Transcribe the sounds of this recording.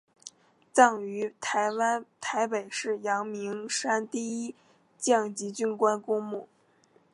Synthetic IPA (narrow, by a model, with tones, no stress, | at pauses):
t͡sɑ˥˩ŋy˧˥t̪ʰa˧˥ɪwa˥nt̪ʰa˧˥ɪpe˨˩ɪʂɻ̩˥˩jɑ˧˥ŋmi˧˥ŋʂa˥nt̪i˥˩i˥ | t͡ɕjɑ˥˩ŋt͡ɕi˧˥t͡ɕy˥nkwa˥nkʊ˥ŋmu˥˩